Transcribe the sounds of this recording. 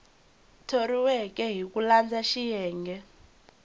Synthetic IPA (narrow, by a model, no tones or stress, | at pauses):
tʰoɾiwɛk̬ʼɛɦik̬ʼuland͡zaʃijɛːŋɡʱɛ